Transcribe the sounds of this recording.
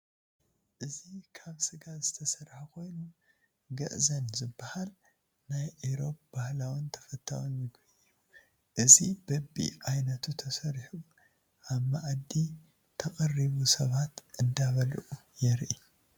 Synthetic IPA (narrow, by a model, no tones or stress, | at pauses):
ʔɨzikʰaβsɨɡazɨt̪ʰɐsɐɾħakʰo̞jnu | ɡɐ̰ʔzɐnzɨbːɐhal | najʕiɾo̞p̚bahlawɨnt̪ʰɐ̥fɐt̪ʰːa̰wunjɪɡɐ | u | ʔɨzibɐbḭʔajnɐt̪ʰut̪ʰɐsɐɾħu | ʔaβmaʕd̪ːi | t̪ʰɐkʼɐrːiβusɐβat̪ʔɨnd̪aβɐlʔujɛɾʔi